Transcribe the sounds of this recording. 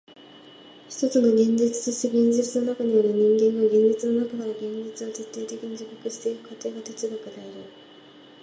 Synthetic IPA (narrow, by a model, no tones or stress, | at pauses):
çʲi̥t̪o̞t͡sɨno̞ɡʲẽ̞ɲd͡ʑit͡sɨ̥t͡sɨɕiɡʲẽ̞ɲ̟d͡ʑit͡sɨno̞nakaɲ̟ijaɾɯ̟ɲ̟ĩŋɡẽ̞ŋɡaɡẽ̞ɲ̟d͡ʑit͡sɨno̞nakanaɾaɡẽ̞ɲd͡ʑit͡sɨat͡ɕet̪ːeːt̪e̞kʲiɲ̟id͡ʑokokɯɕi̥t̪e̞ɸɯ̥kʰat̪eːɡat̪et͡siɡakɯd̪eaɾɯ